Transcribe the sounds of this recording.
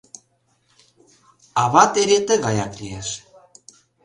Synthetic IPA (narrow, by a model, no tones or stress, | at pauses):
ɑβɑt̪eɾet̪ə̆ɣɑjɑklieʃ